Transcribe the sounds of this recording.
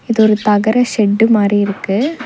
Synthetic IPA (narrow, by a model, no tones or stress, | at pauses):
ɪðɔɾɯt̪ɐɣɐɾɐsɛɖːɯmaːɾiɪɾɯkːɯ